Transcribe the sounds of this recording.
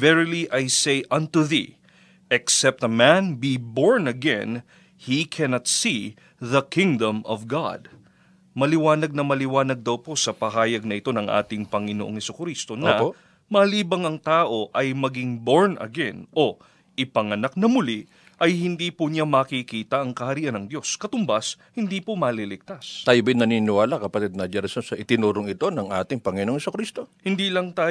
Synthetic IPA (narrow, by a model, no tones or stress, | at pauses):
vɛɹliʔɐjsejʔɐ̃nt̪uðḭ | ʔɛksɛp̚t̪ɐmænbiboɹnɐɡɛ̰̃n | hikʰɛnɐt̪si | ðɐkʰɪ̃ŋd̪ɐ̃mɔvɡa̰d̪ | mɐlɪwaːnɐɡ̚nɐmɐlɪwaːnɐɡ̚d̪ɐwpo̞sɐpɐɦaːjɐɡ̚nɐʔɪt̪o̞nɐŋʔa̰ːt̪ɪŋpɐŋɪnoʔo̞ŋhɛsʊkɾist̪o̞nɐ | mɐliːbɐŋɐŋt̪aːʔo̞ʔɐjmɐɡiŋbo̞ɹnɐ̰ɡɛnʔo̞ | ɪpɐŋɐnak̚nɐmʊli | ʔɐjhɪnd̪iːpʊɲamɐːkikiːt̪ɐʔɐŋkɐhɐɾiːʔɐnɐŋd̪jo̞skɐt̪ʊmbɐs | hɪnd̪iːpomɐːlilɪk̚t̪ast̪aːjʊbɪnɐninɪwaːlakɐpɐt̪id̪̚nɐd͡ʒaɾɪsosɐʔɪt̪ɪnuːɾoŋɪt̪o̞nɐŋʔaːt̪ɪŋpɐŋɪnoʔoŋhɛsukɾist̪o̞hɪnd̪iːlɐŋt̪aː